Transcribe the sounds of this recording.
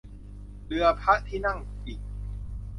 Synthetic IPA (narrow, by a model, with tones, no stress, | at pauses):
lɯ˧ɐpʰa˦˥ʔt̪ʰiː˥˩na˥˩ŋiː˨˩k̚